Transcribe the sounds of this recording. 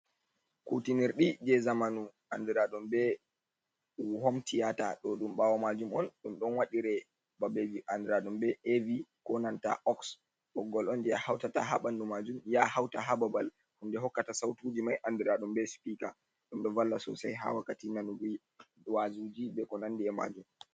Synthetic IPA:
kutiniɾɗid͡ʒɛzamanu | andiɾaɗumbɛ | hɔmtʰijata̰ɗɔɗumɓawɔmad͡ʒumɔnɗumɗɔnwaɗiɾɛ | babeviʔandiɾaɗumbɛevikɔnanta̰ʔɔks | ɓɔɡːɔlɔnd͡ʒɛjahawtata̰ɦa̰ɓandumad͡ʒumjahawtaɦababal | hundɛɦɔkːatasawtud͡ʒimajʔandiɾaɗumbɛspika | ɗumɗɔvalːasɔ̰sajɦa̰wakːatinanuɡi | ɗwazud͡ʒibɛkɔnandiɛma̰d͡ʒum

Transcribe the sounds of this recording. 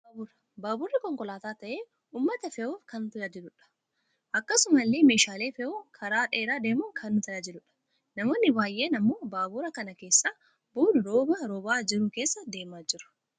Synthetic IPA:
baːbʊrɐ | baːbʊrːɪkɔŋkɔlaːt̪aːt̪ɐʔeː | uːmːɐt̪ɐfɛʔoːkɐnt̪ʊjad͡ʒɪlʊᶑɐ̥ | ʔɐkːɐsʊmɐlːeːme̞ːʃaːle̞ːfɛʔoːkʰɐɾaːᶑeːɾaːd̪e̞ːmʊːkʰɐnːʊt̪ɐjaːd͡ʒɪlʊᶑɐ̥ | nɐmo̞ːnːɪbaːjʔe̞ːnɐmːo̞ːbaːbʊɾɐkɐnɐke̞ːsːaː | buːnʊɾo̞ːbɐɾoːbaːd͡ʒɪɾuːke̞ːsːɐd̪e̞ːmaːd͡ʒɪɾʊ̥

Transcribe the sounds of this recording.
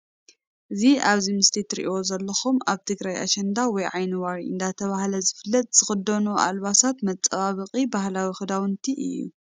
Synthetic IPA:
ʔɨziaβzimɨst̪ʰit̪ʰɨɾiʔio̞zɐlːɐxumaβt̪ʰɨɡɾajʔa̰ʃɛnd̪awɔjʕajnɨwaɾiɨ̰nd̪at̪ʰɐβahlɐzɨfɨlːɐt̪ʼz̥ɨxɨd̪ːɐnuʔa̰lβasat̪mɐt͡sʼːɐβaβɨqʼibahlawixɨd̪awɨnt̪ʰiʔɨ̰jːṵ

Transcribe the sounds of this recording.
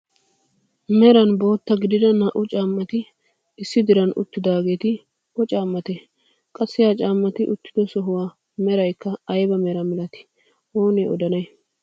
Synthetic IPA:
mɛɾɐnbo̞ːt̪ːɐɡɪd̪ɪd̪ɐnɐʔʊt͡ʃʼaːmːɐt̪ɪ | ɪsːɪd̪ɪɾɐnʊ̰t̪ːɪd̪aːɡe̞ːt̪ɪ | ɔt͡ʃʼaːmːɐt̪e | kʼɐsːɪjaːt͡ʃʼaːmːɐt̪ɪʔʊt̪ːɪ̥d̪ɔsɔɦʊwaː | mɛɾɐjkːɐɐjbɐmɛɾɐmɛlɐt̪ɪ̥ | oːneɔd̪ɐnɐj

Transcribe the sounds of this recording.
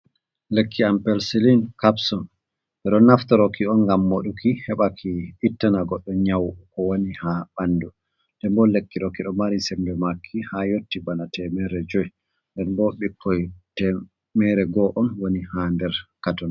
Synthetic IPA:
lekʰːiampɛlsilinkapsɔn | ʔɛɗɔnaftaɾɔkiɔnɡamːoɗukʰihɛɓakʰiːtːanaɡɔɗːɔɲawkɔwonihaɓanːdu | dɛmbɔlekːiɗɔkiɗɔmaɾisɛmbɛmakʰːihajotːibanatʰɛmɛɾɛd͡ʒɔj | ndɛnbɔɓikʰːɔjtɛ | mɛɾɛɡɔʔɔnwonihandɛɾkatɔn

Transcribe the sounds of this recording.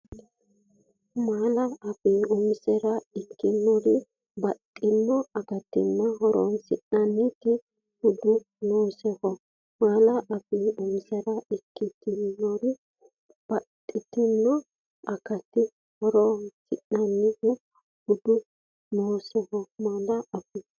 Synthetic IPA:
maːlɐɐfiʊmsɛɾɐɪkːɪnːɔɾɪ | bɐt̪ʼːɪnːɔɐkɐt̪ɪ̰nːɐɦɔɾɔ̰nsɪnɐnːɪt̪ɪ | hʊd̪ʊ | noːsɛhɔ | maːlɐʔɐfiːʊmsɛɾɐɪkːɪt̪ɪnːɔɾɪ | b̥ɐtʼːɪt̪ɪnːɔ | ʔɐkɐt̪ɪ | hɔɾɔnsɪʔɐnːɪhʊ | hʊd̪ʊ | noːsɛhɔmaːlɐɐfɪ

